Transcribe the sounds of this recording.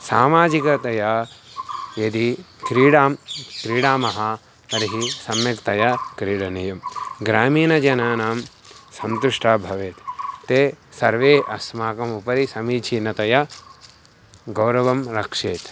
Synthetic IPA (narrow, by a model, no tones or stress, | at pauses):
saːmaːd͡ʒikɐt̪ɐjɐ | jɐd̪ikɾiːɽaːmkɾiːɽaːmɐɦɐ | pɐɾiɦisɐmjɐkt̪ɐjɐkɾiːɽɐnijɐmɡɾaːmiːnɐd͡ʒɐnaːnaːm | sɐnt̪uʂʈʰaːbʱɐʋeːt̪t̪eːsɐɾʋeːʔɐsmaːkɐmupɐɾisɐmiːt͡ʃʰiːnɐt̪ɐjɐ | ɡɐwɾɐʋɐmɾɐkʂeːt̪